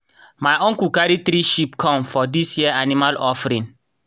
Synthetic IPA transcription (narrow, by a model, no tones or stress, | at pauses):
majɔ̃ŋkukaɾit̪ɾiʃipkʰɔ̃mfɔdisjiəanimalɔfɾĩn